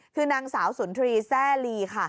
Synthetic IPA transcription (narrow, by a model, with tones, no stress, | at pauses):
kʰɯː˧naː˧ŋsaː˩˦wsu˩˦nt̪ʰɾiː˧sɛː˥˩liː˧kʰa˥˩